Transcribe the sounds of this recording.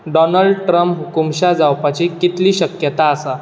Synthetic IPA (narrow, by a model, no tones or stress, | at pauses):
ɖɔnəɭɖʈɾəmpkumɕad͡zawpat͡ɕiːkit̪liːɕəkjət̪aːsa